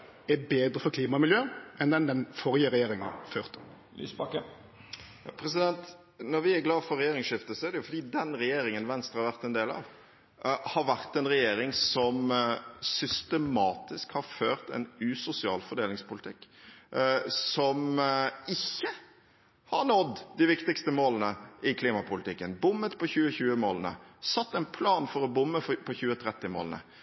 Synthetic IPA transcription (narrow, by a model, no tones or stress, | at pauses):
ɛbeːd̪ɾəfɔɾkliːmɑmɪljøːɛnd̪ɛnd̪ɛnfɔɾjəɾɛjeːɾɪŋɑ̰føːʁt̪ | lḭsbɑkːə | jɑ̰pʰɾɛs̬ɪd̪ɛnt̪ | nɔɾʋɪæɾɡlɑːfɔɾɛjeːɾɪŋsʂɪft̪əsɔæɾd̪ɛjʊfɔd̪iːd̪ɛnɾɛjeːɾɪŋənʋɛnst̪ɾʁəhɑʋæʁt̪ɛnd̪eːlɑ̰ʋ | hɑɾʋæʁt̪ɛnɾɛjeːɾɪŋsɔmsʏst̪əmɑːt̪ɪskhɑɾføːɾt̪ɛ̰nʉːsʊsɪɑːlfɔɖ̪eːlɪŋspʊlɪt̪ʰɪkː | sɔmɪçːə | hɑɾnɔd̪d̪ɪʋɪkt̪ɪkst̪əmoːlənəʔɪkʰliːmɑpʊlɪt̪ɪkːənbʊmːət̪pʰɔçʉːəçʉːəmoːlənə̰sɑt̪ːɛnpʰlɑːnfɔɾɔbʊmːəpʰɔçʉːət̪ʰɾɛt̪ːɪmo̰ːlnə̰